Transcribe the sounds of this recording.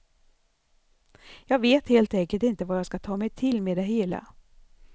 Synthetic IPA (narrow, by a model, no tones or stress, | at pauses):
jɑːɡveːt̪heːlt̪ɛŋkəlt̪ɪnt̪əvajɑːɡskat̪ʰɑːmɛjt̪ʰɪlmeːd̪ɛɦeːla̰